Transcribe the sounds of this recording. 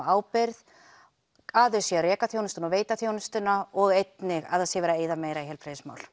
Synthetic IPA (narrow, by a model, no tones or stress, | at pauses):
aːwpɪɾð | aðʏsjɛarɛːkaθjownɪst̪ʏnaɔveːjt̪aθjownɪst̪ʏnaɔɣejt̪nɪɣa̰ðasjɛvɛːɾaeːjðameːjɾaiɦɛlpʰɾejðɪsma̰wl̥